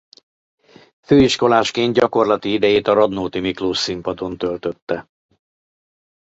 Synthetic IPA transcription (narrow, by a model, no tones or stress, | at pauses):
føːiʃko̞laːʃkeːnt̪̚ɟɒko̞rlɒt̪iid̪ɛjeːt̪ɒɾɒd̪noːt̪imikloːʃsimpɒd̪o̞nt̪ø̞lt̪ø̞t̪ːɛ